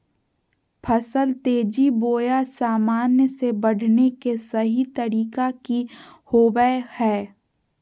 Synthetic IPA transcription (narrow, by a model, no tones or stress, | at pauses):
pʰɐsəlt̪eːd͡ʒiboːjasaːmaːnjəsebɐɽ̤ʱnekesɐɦit̪əɾiːkakihoːbəhɛː